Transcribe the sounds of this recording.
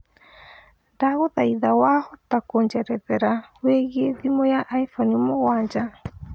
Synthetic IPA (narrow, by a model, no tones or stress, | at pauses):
ndaɣoðaiðawahɔtakoɲd͡ʒɛɾɛðɛɾaweɣieðimɔjaʔaifɔniomoɣwaːɲd͡ʒa